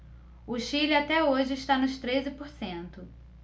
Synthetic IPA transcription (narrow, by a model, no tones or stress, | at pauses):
ʊʃilɪat̪ɛoʒɪːʃt̪anʊʃt̪ɾezɪpoɾsẽnt̪ʊ